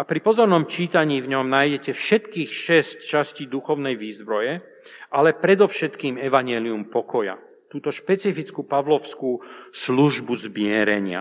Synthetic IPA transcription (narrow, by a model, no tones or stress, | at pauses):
apɾipɔzɔɾnɔmt͡ʃiːt̪aɲiːvɲɔmnajɟɛcɛfʃɛt̪kiːxʃɛsct͡ʃasciːd̪uxɔʊnɛjʋiːzbɾɔjɛ | ʔalɛpɾɛd̪ɔfʃɛt̪kiːmɛʋaɲɛliumpɔkɔja̰ | t̪uːt̪ɔʃpɛt͡sifit͡skupaʋlɔʊskuːsluʒbuzmɪɛɾɛɲɪa̰